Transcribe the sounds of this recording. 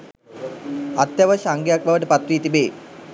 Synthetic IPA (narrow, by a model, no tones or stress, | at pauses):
at̪ːjaʋəʃaŋɡjak̚baʋəʈəpat̪ɾiːt̪ibeː